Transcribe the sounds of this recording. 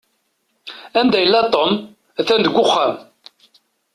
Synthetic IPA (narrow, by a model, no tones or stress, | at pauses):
ænd̪æjəlːæt̪ˤːom | æθænd̪əɡʷːʊχːæm